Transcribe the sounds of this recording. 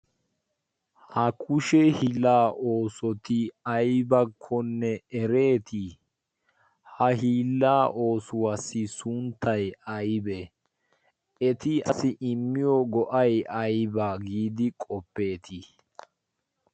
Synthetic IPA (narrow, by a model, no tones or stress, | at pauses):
hɐkʰʊʃɛhɪlaːʔo̞ːsɔt̪ɪɐjbɐkʰːɔnːɛɛɾe̞ːt̪ʰɪ | hɐɦiːlːaːʔo̞ːsʊwasɪsʊnt̪ɐjɐjbɛ | ɛt̪ɪɐsɪʔɪmːɪjɔɡɔʔɐjʔɐjbaɡiːd̪ɪkʼɔpːe̞ːt̪ʰɪ